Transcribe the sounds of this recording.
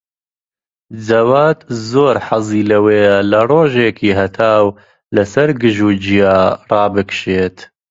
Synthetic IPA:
d͡zɐwaːt̪zoːɾħaziːlɐweːlɐroːʒeːkiːɦɐt̪ʰaːw | lɐsɐɾɡɨʒuːd͡ʒijaːrɑːbɨkʃeːt̪

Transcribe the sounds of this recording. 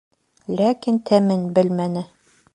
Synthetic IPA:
lækint̪ʰæmɘnbɘlmænɘ

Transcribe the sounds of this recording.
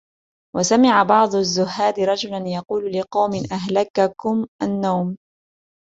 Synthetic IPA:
wasamɪʕabɑʕd̪ˤʊazːʊɦːaːd̪ɪɾˤɑd͡ʒʊlanjɑquːllɪqɑwmɪnʔaɦlakakʊmʔanːawm

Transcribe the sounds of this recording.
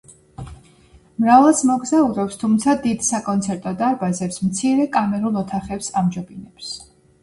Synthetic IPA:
mɾavalˠsmɔɡzauɾɔpst̪ʰumt̪sʰad̪id̪sakʼɔnt̪sʰɛɾt̪ʼɔd̪aɾbazɛpsmt̪sʰiɾɛkʼamɛɾulˠɔt̪ʰaχɛpsamd͡ʒɔbinɛps

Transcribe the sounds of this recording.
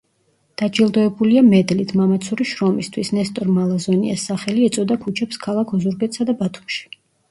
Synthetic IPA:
d̪̥ad͡ʒilˠd̪ɔɛbuliamɛd̪lit̪ʰmamat̪sʰuɾiʃɾɔmist̪ʰwisnɛst̪ʼɔɾmalˠazɔnḭɛsːaχɛliɛt̪sʼɔd̪akʰut͡ʃʰɛpskʰalˠakʰɔzuɾɡɛt̪sad̪abat̪ʰu̥mʃi̥

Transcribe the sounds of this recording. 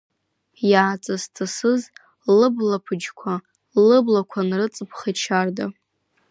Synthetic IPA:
jaːt͡sʼɨztʰasɨz | lɨblapʰɨd͡ʒkʷʰa | lɨblakʷʰanrɨt͡sʼɨpʰχat͡ʃʰarda

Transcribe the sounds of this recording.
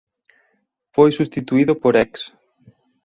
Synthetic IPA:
fojsust̪it̪uiðopoɾɛks

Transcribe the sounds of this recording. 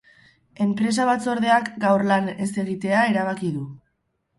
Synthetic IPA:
e̞mpɾe̞s̬aβat͡so̞ɾðe̞akɡawrlane̞se̞ɣit̪e̞aeɾaβ̞akiðu

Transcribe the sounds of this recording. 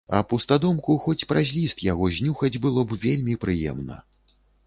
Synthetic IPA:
ɐpust̪ad̪ɔmkuxɔt͡sʲpɾazʲlʲist̪jaɣɔzʲnʲuxɐd͡zʲbɨlˠɔbvʲelʲmʲipɾɨjɛ̰mnɐ̰

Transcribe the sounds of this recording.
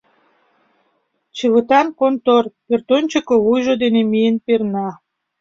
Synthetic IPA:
t͡ɕɨβɯt̪ɑnkont̪orpert̪onʲt͡ɕəkoβujʒod̪enemijənpernɑ

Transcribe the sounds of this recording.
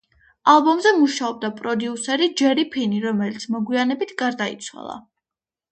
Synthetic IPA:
alˠbɔmzɛmuʃaɔb̚d̪apʼɾɔd̪iusɛɾid͡ʒɛɾipʰiniɾɔmɛlit̪sʰmɔɡwianɛbit̪ʰɡaɾd̪aḭt̪sʰwa̰lˠa̰

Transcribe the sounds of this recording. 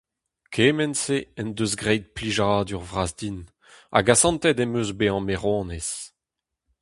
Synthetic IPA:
kʰeːmɛnseɛnd̪øzɡʁɛjd̪̚pliʒad̪yʁvʁazdin | a̰ɡasɑ̃nt̪ɛd̪ɛmøzbeɑ̃meʁõːnes

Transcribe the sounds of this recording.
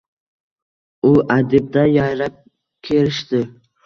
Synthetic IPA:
ʊʔad̪ɪb̚d̪ajajɾap̚ | kʲʰeɾɪʃt̪ɪ

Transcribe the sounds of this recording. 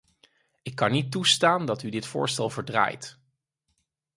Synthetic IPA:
ɪkːɑnːitːustaːndɑtydɪtfʊ̰ːɹstɛlˠvəɹdra̰ːjt

